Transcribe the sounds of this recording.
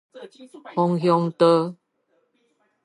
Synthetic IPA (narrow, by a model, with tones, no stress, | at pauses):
hɔ˨ŋɦjɔ˧ŋt̪ə˦